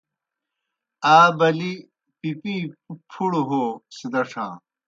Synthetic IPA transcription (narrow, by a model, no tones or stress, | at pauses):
aːbɐli | pipĩːpʰuɽoɦoːsid̪ɐʂʰã̰ː